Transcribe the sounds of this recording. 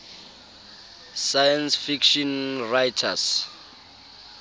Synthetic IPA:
sajansfikʃɔnrajtʰa̰s

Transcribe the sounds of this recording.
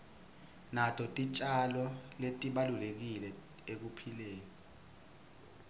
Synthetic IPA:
natʰɔtʼit͡ʃʼalɔletʼiɓalulek̬ilɛ | ek̬upʰileːnɔ

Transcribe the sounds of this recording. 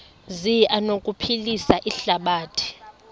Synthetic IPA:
ziʔanokʼupʰilisaʔiɬaɓaːtʰi̥

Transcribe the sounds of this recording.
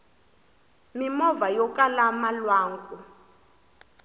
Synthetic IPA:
mimɔvajɔkʼalamalwaːŋkʼu

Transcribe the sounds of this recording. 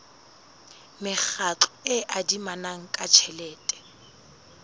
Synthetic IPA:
mɪk͡xat͡ɬɔɪʔadimanaŋ̩kʼat͡ʃʰɛlɛːtʼɛ̥

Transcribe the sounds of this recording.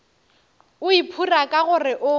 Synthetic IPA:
ʊipʰurakʼaɣʊrɪʔʊ

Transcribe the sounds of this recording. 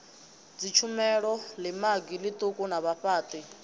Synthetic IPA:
d͡zit͡ʃʰumɛɺɔlimaɡilit̪ʼukʼunaβaɸaːt̪ʼi

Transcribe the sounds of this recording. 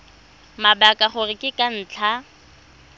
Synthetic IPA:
mabakʼaχʊrɪkʼɪkʼan̩ːt͡ɬʰa

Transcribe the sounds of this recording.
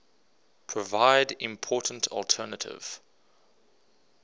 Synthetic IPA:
pʰɹ̥əvaɪdɪ̃mpʰɔˑtn̩tʰɔ̰lˠtʰɜːnətʰɪ̰v̥

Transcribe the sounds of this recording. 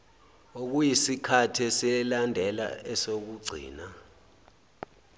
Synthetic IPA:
ok̬ujisikʰatʰɛsɛlandʱɛla̰ɛsok̬uɡ͡ǀʱḭːna

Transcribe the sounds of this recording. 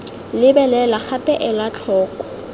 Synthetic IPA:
lɪbɛlɛlaχʰapʼɛʔɛlat͡ɬʰɔːkɔ̥

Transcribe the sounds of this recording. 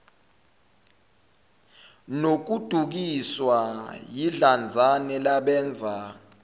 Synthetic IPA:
nok̬ud̥ʱuk̬iswajiɮand͡zʱanɛlaɓɛːnd͡zʱa

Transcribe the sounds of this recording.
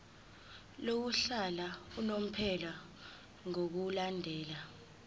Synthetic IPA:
lok̬uɬalaunom̩pʰɛla | ŋok̬ulandʱɛːla

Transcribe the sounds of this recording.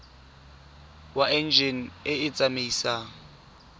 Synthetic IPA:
waʔɛnd͡ʒɛn̩ɪɪt͡sʼameiːsaŋ̩

